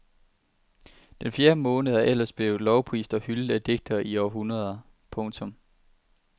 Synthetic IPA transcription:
d̥enfje̝ːɐmɔ̽ːnəð̞̩ˠɐʔel̰ɐsb̥le̝ʊlɒʊpʰʁḭːsd̥ɒ̽hyld̩ˠæd̥e̝ɡ̥̚d̥ɐiɒʊɐɦunʁɐðˠɐ | pʰɔ̽ŋt͡sʰɔ̽m

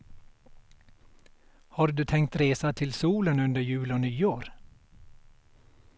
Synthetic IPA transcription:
hɑːɾd̪ʉːt̪ʰɛŋkt̪ɾeːsat̪ʰɪlsuːlənɵnd̪əɾjʉːloːnyːoːɾ

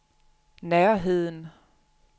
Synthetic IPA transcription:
næɐɦe̝ð̰ˠn

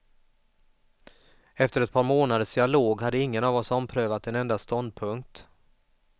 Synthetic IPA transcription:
ɛft̪əɾɛt̪̚pʰɑːɾmoːnad̪əʂd̪ɪaloːɡɦad̪ːəɪŋːənaːvɔsɔmpʰɾøːvat̪ɛnɛnd̪ast̪ɔnd̪̚pʰɵŋk̚t̪

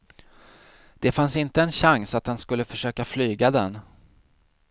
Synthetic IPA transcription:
d̪̥ɛfansɪnt̪əɛnɕaŋsat̪hanskɵlːəfœʂøːkaflyːɡad̪ɛn

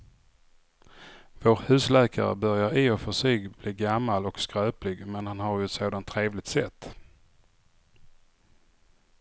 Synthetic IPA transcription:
voːɾhʉ̟ːslɛːkʰa̰ɾə̰bœɾjaɾiːɔfœʂiɡbliːɡamːalɔkskɾœːplɪɡmɛnhanhaɾjɵɛt̪soːd̪ant̪ʰːɾeːvlɪɡ̚t̪sɛt̪ː

